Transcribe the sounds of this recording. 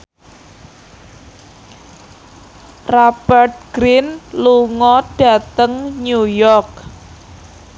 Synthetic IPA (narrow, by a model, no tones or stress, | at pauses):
rab̥ərt̪̚ɡ̥ɾinluŋɔɖ̥a̤t̪əŋnujɔrk̚